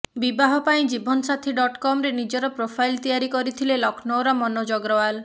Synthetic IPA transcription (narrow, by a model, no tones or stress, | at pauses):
bibaɦɔpaĩd͡ʒibʱɔnɔsat̪ʰiɖɔʈkɔmɾenid͡ʒɔɾɔpɾopʰajlt̪ijaɾikɔɾit̪ʰilelɔkʰnɔwɾamɔnɔd͡ʒɔɡɾɔal